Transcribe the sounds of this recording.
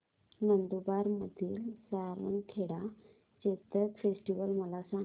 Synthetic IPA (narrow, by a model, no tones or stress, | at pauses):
nənd̪ubaɾmət̪iːlsaɾʋə̰nkʰeɽa | t͡ɕet̪əkfesʈiʋəlməlasã